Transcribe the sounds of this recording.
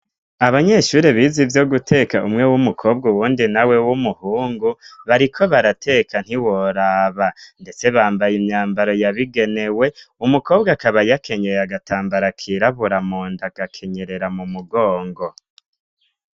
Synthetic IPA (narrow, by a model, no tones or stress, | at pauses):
aβaɲe̞ʃuːɾeβiːzivjo̞ɡutʰe̞kaʔumŋe̞wumukʰo̞ːb̚ɡawuːndinawe̞wumuhuːŋɡuβaɾikʰo̞βaɾatʰe̞kʰan̥hiwo̞ɾaːβande̞t͡se̞βaːmbajimɲaːmbaɾo̞jaβiɡe̞ne̞we̞umukʰo̞ːbɡakaβajake̞ɲeɾeaɡataːmbaɾakʰiɾaβuɾamoːndaɡ̥akʰe̞ɲe̞ɾe̞ɾamumuɡo̞ːŋɡo̞